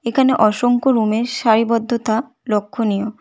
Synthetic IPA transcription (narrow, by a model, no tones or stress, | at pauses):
ekʰaneʔɔʃoŋkoɾumeɾʃaɾibɔd̪ʱːot̪a | lokʰːonijo